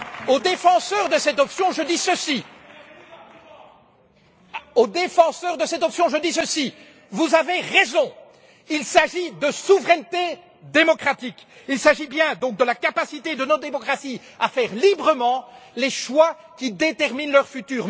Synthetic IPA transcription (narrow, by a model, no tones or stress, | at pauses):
od̪efɑ̃sœʁd̪əsɛt̪ɔpsjɔ̃ʒəd̪isəsi | od̪efɑ̃sœʁd̪əsɛt̪ɔpsjɔ̃ʒəd̪isəsi | vuzaveʁezɔ̃ | ilsaʒid̪əsuvʁɛnt̪e | d̪emɔkχat̪ik | ilsaʒibjɛ̃d̪ɔ̃k̚d̪əlakapasit̪ed̪ənɔd̪emɔkχasi | a̰fɛːʁlibʁəmɑ̃leʃwa | kʲid̪et̪ɛʁminlœʁfyt̪yːʁ